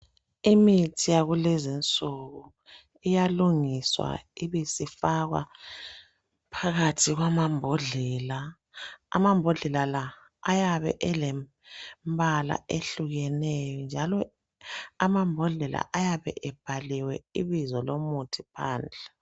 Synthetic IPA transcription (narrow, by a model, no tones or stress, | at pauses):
imitʰijaɣulezint͡sʼuɣu | ijaluŋiswa̰iβisifaɣwa̰ | pʰaɣatʰiɣwamambʱɔɮɛla̰ː | mambʱɔɮɛlalaː | jaβɛ̰ʔɛlɛ | mbʱala̰ʔeɬuɣɛnɛjɔnd͡ʒʱalɔ | amambʱɔɮɛla̰ʔajaβɛ̰ʔɛb̥ʱaliwɛiβizɔlomutʰipʰa̰ːnd͡ɮʱɛ